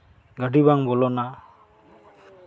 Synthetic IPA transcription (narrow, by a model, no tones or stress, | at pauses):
ɡaʈibaŋbɔlɔna